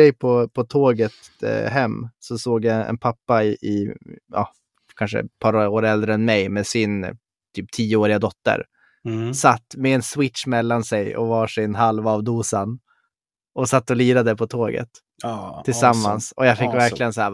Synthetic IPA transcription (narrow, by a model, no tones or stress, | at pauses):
ɛjpʰɔpʰɔt̪ʰoːɡət̪ɦɛmːsɔsoːɡjaɛ̰npʰapːaɪɪɑ̰ | kʰanʂə̰pʰɑːɾoːɾɛld̪ɾəɛnmɛjmeːsɪn | t̪ʰyːp̚t̪ʰiːəoːɾɪɡad̪ɔt̪ːə̰ɾ | sat̪ːmɛɛnswɪtʂmɛlːansɛjɔ̰vɑːʂɪnɦalvɑvd̪uːsan | ɔsat̪ːɔliːɾad̪əəpʰɔt̪ʰoːɡə̰t̪ʰː | ɪlsamːansɔjafɪkːvæɾklɪɡənsahæː